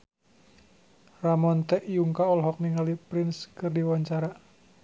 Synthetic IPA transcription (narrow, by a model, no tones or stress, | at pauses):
ramɔnt̪ɛʔjuŋkaɔlɦɔk̚niŋalipɾɪnskɨrdiwaɲt͡ʃaɾa